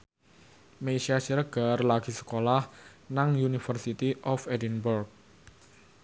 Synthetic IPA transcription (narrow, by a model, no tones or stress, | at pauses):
meʃiasiɾəɡ̥a̤rlaɡ̥i̤sə̥kolahnaŋjunifərsit̪iʔɔfɛdinbərk̚